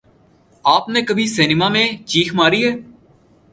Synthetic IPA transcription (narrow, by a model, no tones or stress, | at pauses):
aːpneːkəbʱiseːnɪmaːmẽt͡ʃiːkʰmaːɾiːɦɛː